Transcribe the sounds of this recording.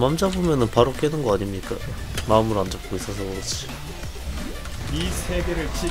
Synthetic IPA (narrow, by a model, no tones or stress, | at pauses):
mamd͡ʑabomjʌnɯnpaɾok͈enɯnɡʌaɲimɲik͈a | maɯmɯɾand͡ʑʌp̚k͈ois͈ʌsʰʌot͡ɕi̥ | isʰeɡeɾɯɭt͡ɕʰi